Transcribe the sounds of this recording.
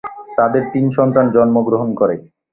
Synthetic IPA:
t̪ad̪eɾt̪inʃɔnt̪ɾand͡ʑɔnmoɡɾoɦonkoɾe

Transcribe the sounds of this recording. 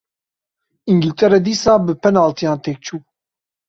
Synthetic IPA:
iŋɡilt̪ʰɛɾɛd̪iːsaːbɨpʰɛnaːlt̪ʰijaːnt̪ʰeːk̚t͡ʃʰuː

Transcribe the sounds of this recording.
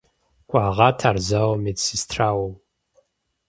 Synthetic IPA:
kʷʼaːʁɑtʰarzawmetsistʰraːwom

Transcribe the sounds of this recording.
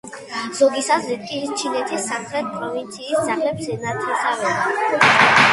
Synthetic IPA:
z̥ɔɡisazɾit̪̚kʼit͡ʃʰinɛt̪ʰisːamχɾɛt̪̚pʼɾɔvint̪sʰiːt̪saχlɛbzɛnat̪ʰiɔsavɛa

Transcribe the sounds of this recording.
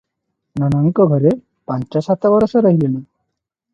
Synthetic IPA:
nɔnɔŋkɔɡʱɔɾe | pant͡ʃɔsat̪ɔbɔɾɔsɔɾɔɦilelu

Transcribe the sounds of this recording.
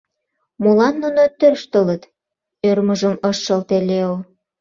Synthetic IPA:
mulɑnːunot̪ørʃt̪ələt̪ | ørməʒəməʃːɤlt̪eleol

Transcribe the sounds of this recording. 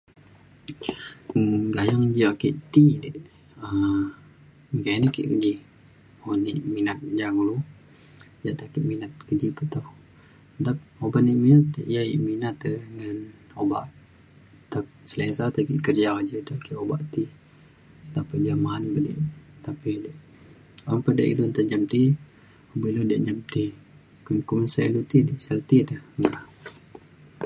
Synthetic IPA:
ɡajaŋd͡ʒaʔkiʔt̪idəʔ | ə | mikainikḭʔkəd͡ʒih | onḭʔminat̪̚d͡ʒaŋulu | d͡ʒaʔt̪akiʔminat̪̚kəd͡ʒipət̪ɔh | dap̚obaʔniʔminat̪̚ʔjaḭʔminat̪əŋanobaʔ | t̪asəlasat̪akiʔkərd͡ʒaad͡ʒəd̪akiʔobaʔt̪i | t̪apədiamanbədḭʔt̪apidʔ | ŋpəda̰ʔidont̪aɲd͡ʒamt̪i | obilodiaʔɲd͡ʒamt̪i | kkumənsailut̪idəsəlt̪idəhŋa

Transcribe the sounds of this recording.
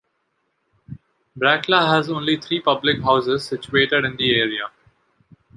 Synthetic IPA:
bɾæklaɦæzõːnlit̪ʰɾiːpʌblɪkɦaʊsɪzsɪt͡ʃueːʈeɖɪ̃nd̪ieːɾia

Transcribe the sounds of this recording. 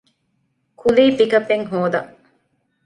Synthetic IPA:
kʰuliːfikɐpːeŋɦoːd̪ɐ

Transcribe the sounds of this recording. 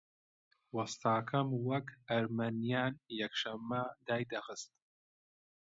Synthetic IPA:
wɐst̪aːkʰɐmwɐkɐɾmɐnjaːnjɐkʃɐmːɐd̪aːjd̪ɐxɨst̪

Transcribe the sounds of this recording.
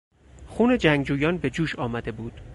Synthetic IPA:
xuːne̞d͡ʒæŋɡd͡ʒuːjɒːnbe̞d͡ʒuːʃɒːmæd̪e̞buːd̪̥

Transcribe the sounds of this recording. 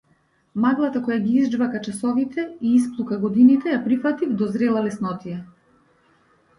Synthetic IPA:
maɡlˠat̪akɔjaɡʲiizd͡ʒvakat͡ʃasɔvit̪ʰɛiisplˠukaɡɔd̪init̪ɛjapɾifat̪ivd̪ɔzɾɛlˠalɛsnɔt̪ija

